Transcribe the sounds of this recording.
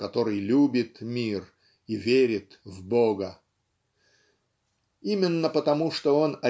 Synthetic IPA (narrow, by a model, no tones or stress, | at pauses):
kɐt̪o̞ɾɨjlʲubʲɪt̪mʲir | ivʲeɾʲɪt̪vboɡə | imʲɪnːəpət̪ɐmuʂt̪oo̞nɐ